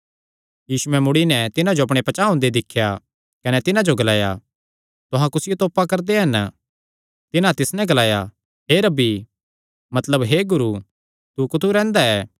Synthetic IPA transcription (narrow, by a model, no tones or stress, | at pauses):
jiːsuɛmʊɽinɛt̪ɪnãd͡ʒoɐpɽ̃epɐt͡ʃaɦʊ̃ːnd̪ed̪ɪkʰːja | kɐnɛt̪ɪnãd͡ʒoɡɐlaːja̰ | t̪ʊɦãkʊsɪjot̪oːpakɐɾd̪eɦɐn | t̪ɪnãt̪ɪsnɛ̃ɡɐlaːja | ɦeɾɐbi | mɐt̪ləbɦeɡʊɾu | t̪ukʊt̪ʰuɾɛ̃ːnd̪aɛː